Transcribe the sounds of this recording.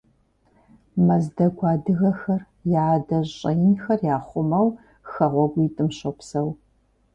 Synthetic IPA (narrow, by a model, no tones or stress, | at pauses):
mɐzdɐɡʷʰɑːdɨɣɐxɐr | jadɐʑʼɐjnxɐrjaːχʷʊmɐw | xɐʁʷɔɡʷiːtʼɨmɕopsɐw